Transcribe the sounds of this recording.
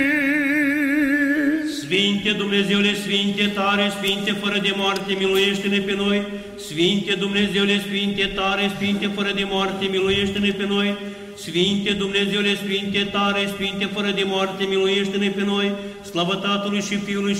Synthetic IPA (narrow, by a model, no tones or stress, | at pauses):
sfint̪e̞d̪umne̞ze̞wule̞sfint̪e̞t̪aɾe̞sfint̪e̞fəɾəd̪e̞moart̪e̞miluje̞ʃt̪e̞ne̞pe̞no̞j | sfint̪e̞d̪umne̞ze̞wle̞sfint̪e̞t̪aɾe̞sfint̪e̞fəɾəd̪e̞moart̪e̞miluje̞ʃt̪e̞ne̞pe̞no̞j | sfint̪e̞d̪umne̞ze̞wule̞sfint̪e̞t̪aɾe̞sfint̪e̞fəɾəd̪e̞moart̪e̞miluje̞ʃt̪ene̞pe̞no̞jslavət̪at̪ulujʃifiuluj